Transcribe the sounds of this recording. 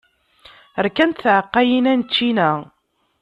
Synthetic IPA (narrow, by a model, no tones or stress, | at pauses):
əɾkænt̪θʕəqːæjinænt͡ʃːinæ